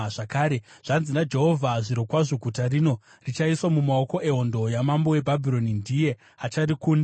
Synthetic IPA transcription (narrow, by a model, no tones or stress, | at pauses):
ʐakaːɾe | ʐ̥anzinad͡ʒe̞ɦo̞vʱaʐiɾokwaʐiɡʱutarino̞ | rit͡ʃaiswamumao̞ko̞ʔe̞ɦo̞ndo̞jamambo̞we̞bʱabʱiɾo̞nindije̞ | at͡ʃarikuːndi